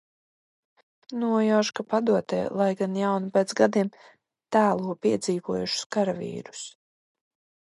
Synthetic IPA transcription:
nuɔjaʃkapad̪uɔt̪ɛ̰ːlˠajɡanjawnupɛːt̪sɡad̪iɛm | t̪æːlˠuɔpiɛd̪ziːvuɔjuʃu̥skaɾavḭːɾu̥s

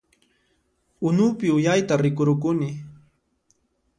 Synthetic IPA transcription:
ʊnʊpɪʊjajt̪aɾɪkʊɾʊkʊnɪ

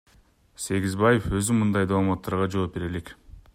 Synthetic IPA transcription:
se̞ɡʲizbɑje̞fø̞zymɯnd̪ɑjd̪almɑt̪ʰːɑɾʁɑd͡ʒo̞ːp̚be̞ɾe̞le̞k

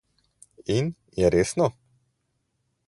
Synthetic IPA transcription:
in | jɛɾeːsnɔ

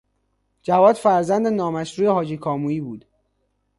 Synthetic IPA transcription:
d͡ʒævɒːd̪̥fæɾzænd̪e̞nɒːmæʃɾuːjeɦɒːd͡ʒiːkʰɒːmuːiːbuːd̪̥

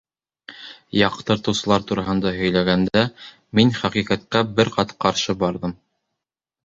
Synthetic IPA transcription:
jɑqt̪ɤ̆ɾt̪ɤ̆wsɤ̆lˠɑɾt̪uɾɑɦɤ̆nd̪ɑɦɵ̆jlæɡænd̪æ | minχæqiqæt̪̚kæbɘɾqɑt̪qɑɾʃɤbɑɾðɤm

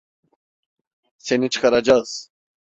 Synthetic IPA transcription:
senit͡ʃʰɯ̥kʰaɾad͡ʒaz̥

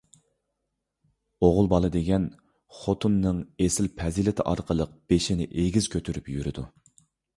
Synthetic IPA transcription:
oʁʊlˠbɑlˠɨd̪eɡʲɛn | χot̪ʰunːɨŋesɪlpʰɛzilɪt̪ʰɪʔɑ̰ɾqʰəlˠəq̚b̥eʃinɪ̰ʔeɡʲizkʲʰøt̪ʰyɾypjyɾɪd̪u

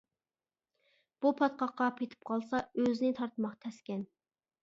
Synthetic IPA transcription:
b̥upʰɑt̪̚qɑqːɑpʰet̪ʰɪ̥p̚qʰɑlˠsɑøzɪnɪt̪ʰɑɾt̪ʰəmɑqt̪ʰɛskʲɛn

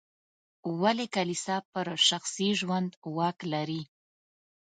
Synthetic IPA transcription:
walekalisapəɾʃaxsiʒwand̪wɑklaɾi

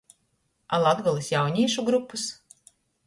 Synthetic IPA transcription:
alˠad̪ɡɔlˠisjawnʲiɛʃuɡɾupːus

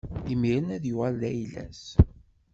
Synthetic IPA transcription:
imiɾənæðjuʁælðæjlæ̰s

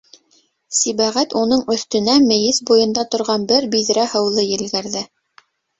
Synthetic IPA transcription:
siβæʁæt̪unɤɴɵ̆θt̪ɵ̆næmɘ̆jɘsbujɤ̆nd̪ɑt̪ŏɾʁɑnbɘɾbiðɾæhɤ̆wlˠɤjɘ̆lɡɘ̆ɾðɘ

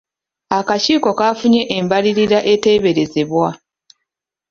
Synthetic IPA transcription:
akaciːko̞kaːfuɲe̞ʔːmbaliɾiɾaʔe̞te̞ːβe̞ɾe̞ze̞βwa

